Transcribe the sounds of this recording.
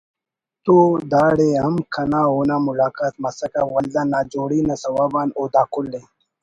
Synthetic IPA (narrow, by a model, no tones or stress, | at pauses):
t̪od̪aːɽeɦɐmkʰɐnaːonaːmulaːkaːt̪̚mɐsɐkawald̪anaːd͡ʒoːɽinasɐwaːbaːnoːd̪aːkulːe